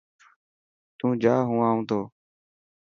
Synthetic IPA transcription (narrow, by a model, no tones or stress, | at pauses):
t̪ũːd͡ʒaːɦũːaːũːt̪ʰoː